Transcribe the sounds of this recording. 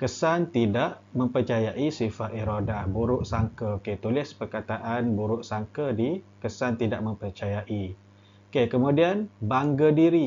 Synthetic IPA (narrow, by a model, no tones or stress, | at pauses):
kəsant̪idaʔ | mə̃mpərt͡ʃajaʔisifaʔiɾodabuɾʊʔsaŋkəket̪ulɪspərkat̪aʔanbuɾʊʔsaŋkədikəsant̪idaʔmə̃mpərt͡ʃajaʔi | kekəmũdianbaŋɡədiɾi